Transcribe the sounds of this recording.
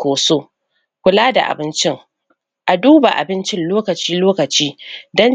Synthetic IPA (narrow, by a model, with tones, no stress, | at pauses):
oː˨soː˦ | kʷʊ˨laː˦da̰˨ʔa̰˨bɪ˦nt͡ʃɪ˦ŋ | ʔa˨duː˦ba˨ʔa̰˨bɪ˦nt͡ʃɪ˦nloː˦kɐ˨t͡ʃiː˦loː˦kɐ˨t͡ʃiː˦dɔ˦n